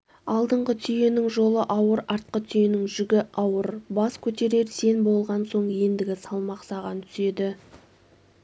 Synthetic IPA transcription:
ɑlˠd̪əɴʁət̪ʰʏjenɪŋʒo̞lˠəʔɑwəɾɑɾt̪̚qət̪ʰʏjenɪŋʒʏɡʲɪɑwəɾbɑskʲʰɵt̪e̞ɾe̞ɾse̞nbo̞lˠʁɑnso̞ɴje̞nd̪ɪɡʲɪsɑlˠmɑqsɑʁɑnt̪ʰʏ̥se̞d̪ɪ

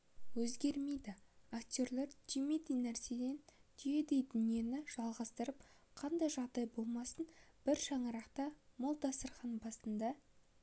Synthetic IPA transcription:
wɵzɡʲe̞ɾme̞jd̪ɪakt̪ʲo̞ɾlˠeɾt̪ʲʰimet̪ijnæɾse̞d̪e̞nt̪ʰʏje̞d̪e̞jd̪ʏnije̞nɪʒ̥ɑlˠʁɑst̪əɾəpqʰɑnd̪ɑjʒɑʁd̪ɑjbo̞lˠmɑsənb̥ɪɾʃɑɴəɾɑqt̪ɑmolˠd̪ɑst̪əɾʁɑnbɑst̪ənd̪ɑ

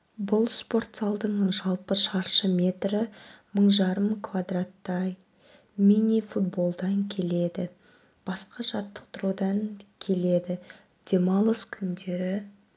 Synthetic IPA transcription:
bʊlˠspo̞rt̪sɑlˠd̪əɴʒɑlˠpəʃɑɾʃəmʲe̞t̪rɪməɴʒɑɾəmkʰvad̪rat̪ːɑj | minʲːijfut̪̚bo̞lˠd̪ɑŋkʲʰe̞le̞d̪ɪ | b̥ɑsqɑʒɑt̪ːə̥qt̪ʊɾud̪ɑŋkʲʰe̞le̞d̪ɪ | d̪̥ʲe̞mɑlˠəskʲʰʏnd̪e̞ɾɪ

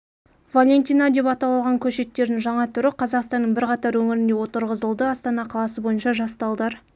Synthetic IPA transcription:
valʲe̞nt̪ʲijnɑd̪e̞pɑt̪ɑwˠɑlˠʁɑŋkʲʰɵʃe̞t̪ːe̞ɾd̪ɪŋʒɑɴɑt̪ʰʏɾɪqʰɑzɑqst̪ɑnːəɴbɪɾqɑt̪ɑɾwɵŋɪɾɪnd̪e̞wo̞t̪əɾʁəzəlˠd̪əɑst̪ɑnɑqʰɑlˠɑsəbo̞jənʃɑʒɑst̪ɑlˠd̪ɑɾ

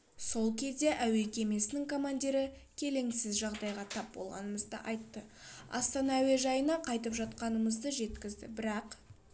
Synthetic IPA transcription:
so̞lˠkʲʰe̞zd̪e̞ʔæwe̞kʲʰe̞me̞sɪnɪŋkʰo̞mand̪ʲiɾɪkʲʰe̞le̞ŋsɪzʒɑʁd̪ɑjʁɑt̪ʰɑp̚bo̞̰lˠʁɑ̰nəməzd̪ə̰ʔɑ̰jt̪ːəɑ̰st̪ɑnɑːwe̞ʒɑjənɑqʰɑjt̪əpʒɑt̪̚qɑnəməzd̪əʒe̞t̪kʲɪzd̪ɪ̰bɪɾɑq

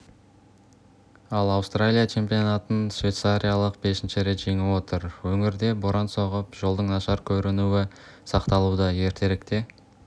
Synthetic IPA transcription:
ɑlˠɑwst̪ralʲijat͡ʃʰe̞mpijo̞nat̪ənsvʲe̞t̪saɾʲijalˠəq̚be̞sɪnʃɪɾe̞t̪ʒ̥e̞ŋewo̞t̪əɾwɵŋɪɾd̪e̞boɾɑnso̞ʁəpʒo̞lˠd̪əɴnɑʃɑɾkʲʰɵɾɪnuwɪsɑqt̪ɑlˠud̪əje̞ɾt̪ʰe̞ɾɪkt̪e̞

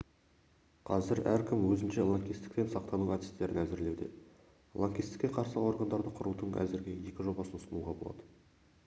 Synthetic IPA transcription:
qʰɑzɪɾæɾkʲʰɪmwɵzɪnʃelˠoŋkʲijst̪ɪ̥k̚t̪e̞nsɑq̚t̪ɑnuɑt̪i̥st̪e̞ɾɪ̰næzɪɾle̞wd̪e̞̰ | lˠoŋkʲijst̪ɪ̥kʲeqʰɑɾsəo̞ɾɡənd̪ɑɾd̪əqʰʊɾud̪əɴæ̰zɪɾɡʲe̞je̞kʲɪʒo̞bɑsənəsənuwʁɑbolˠɑ̰d̪ə

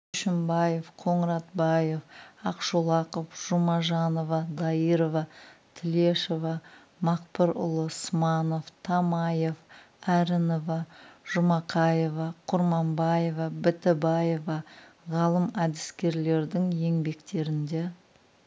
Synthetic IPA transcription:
ʏʃɪmbɑje̞fqʰo̞ɴəɾɑt̪bɑje̞fɑqʃolˠɑqəfʒ̥ʊmɑʒɑno̞vɑd̪ɑiɾovɑt̪ʰɪle̞ʃovɑ | mɑq̚pəɾʊ̰lˠəsmɑno̞ft̪ʰɑmɑje̞v | æɾɪno̞vɑʒ̥ʊmɑqʰɑje̞vɑqʰʊɾmɑmbɑje̞vɑbɪt̪ɪbɑje̞vɑʁɑlˠəmæd̪ɪskʲe̞ɾle̞ɾd̪ɪŋje̞ŋbe̞kt̪e̞ɾɪnd̪e̞

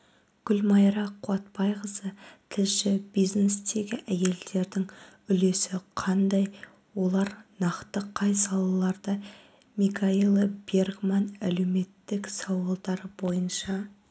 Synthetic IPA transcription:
ɡ̥ʲʊlmɑjɾɑqʰʊɑt̪̚pɑjʁəzət̪ʰɪlʃɪbijzne̞st̪e̞ɡʲɪʔæje̞ld̪e̞ɾd̪ɪŋʏle̞sɪqʰɑnd̪ɑj | wo̞lˠɑɾnɑqt̪əqʰɑjsɑlˠɑlˠɑɾd̪ə | mikʰailˠbe̞rɡmɑnæle̞wme̞t̪ːɪksɑwɑlˠd̪ɑɾəbo̞jənʃɑ

